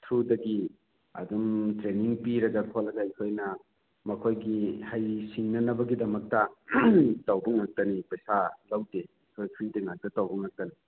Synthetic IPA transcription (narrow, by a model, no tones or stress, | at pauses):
tʰɾudɐɡi | ɐ̰dumtɾeniŋpiɾɐɡɐkʰolːɐɡɐajkʰojnɐ | mɐkʰojɡihajsiŋnɐnɐbɐɡidɐmɐk̚tɐ | tɐwbuŋɐk̚tɐnipesalawde | kʰojpʰɾideŋak̚tɐtawbuŋɐk̚tɐni